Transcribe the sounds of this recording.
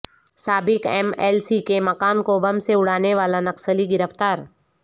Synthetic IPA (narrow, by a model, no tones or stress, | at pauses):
saːbɪkɛ̰ːmɛ̰ːlsikemɐkaːnkobɐmseʊɽ̤aːneʋaːlanɐqsəliɡɪɾəft̪aːɾ